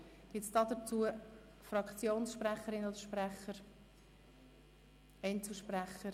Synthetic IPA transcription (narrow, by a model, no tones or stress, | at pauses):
ɡ̥ɪtsd̥ɑd̪ət͡suːə | frɑkt͡sjoːnsʃprɛχəɾɪnodəʃprɛχəɾ | ɛɪnt͡suʃpræχəɾ